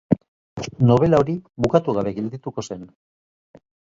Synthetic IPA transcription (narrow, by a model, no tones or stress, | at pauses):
no̞β̞e̞laoɾiβukat̪uɣaβe̞ɣe̞ld̪it̪uko̞se̞n